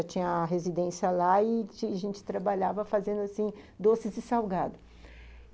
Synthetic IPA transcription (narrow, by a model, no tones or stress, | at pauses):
at͡ʃĩɲɐɦezid̪ẽsiɐlaɪiaʒẽnt͡ʃɪ̥t̪ɾabaʎavɐfazẽnd̪ʊasĩd̪osɪzɪsawɡad̪ʊ